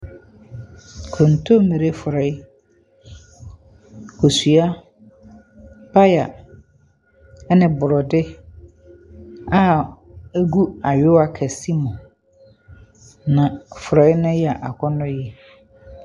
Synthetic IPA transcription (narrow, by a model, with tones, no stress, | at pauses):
kʰɔ̃˨n̩˨tʰo˦mẽ˨ɾe˦fʊ˨ɾɛ˨ɪ˦ | kʰo˨su˨a˦ | pʰa˦ja˨ | ɛ˦nɪ̃˨bʊ˨ɾɔ˨dɪ˦ | a˦ | æ˦ɡu˦a˨ɥɪ˦a˨kʰɛ˨si˦mʊ̃˨ | nã˨fʊ˨ɾɛ˨ɪ˦nʊ̃˦jɛ˦a˨ʔa˨kʰɔ˦nʊ̃˦jɛ˨